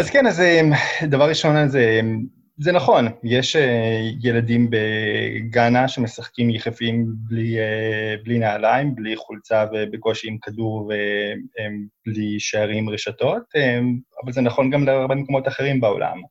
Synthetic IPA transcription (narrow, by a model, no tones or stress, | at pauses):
azkenazemdavaʁiʃo̞nazem | zenaχo̞njeʃejeladimbe̞ɡanaʃe̞mesaχkimjeχefimblieblinaːlaimbliχult͡savebeko̞ʃiimkaduʁveemb̥liʃeaʁimʁeʃato̞tema̰valzenaχo̞nɡamleaʁbe̞meko̞mo̞taχe̞ʁimbeo̞̰lʔa̰m